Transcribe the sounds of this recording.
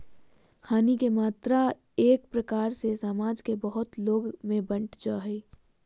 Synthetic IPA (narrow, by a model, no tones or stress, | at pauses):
haːnikemaːt̪ɾa | eːk̚pɾəkaːɾsesaːmaːd͡ʒkebəɦʊt̪loːɡmẽbə̃ɳʈd͡ʒaɦɛi